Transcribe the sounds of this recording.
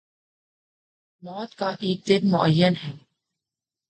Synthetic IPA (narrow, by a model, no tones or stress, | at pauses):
mɔːt̪kaʔeːk̚d̪ɪnmʊʔəjːənɦɛː